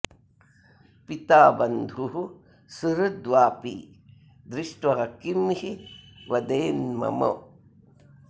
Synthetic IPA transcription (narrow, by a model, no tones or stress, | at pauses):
pit̪aːbɐnd̪ʱuɦu | sɨɾɐd̪ʋaːpḭː | d̪ɾiʂʈʋɐɦɐkimhiʋɐd̪eːnmɐ̰mɐ̰